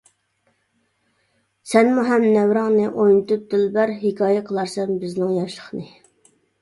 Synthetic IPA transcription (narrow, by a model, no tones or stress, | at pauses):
sɛnmuɦɛmnɛwɾɑŋnɨʔojnɨt̪up̚d̪ɪlbæɾɦɪkʰɑːjɛqʰəlˠɑɾsɛmbɪznɪŋjɑʃlə̥χnɨ